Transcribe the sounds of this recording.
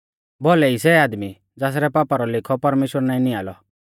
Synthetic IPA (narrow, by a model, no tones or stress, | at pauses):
bɔlɛisɛaːd̪mi | d͡zaːs̬ɾɛpaːpaɾɔlɪkʰɔpɐɾmeːʃwəɾnaːĩniaːlɔ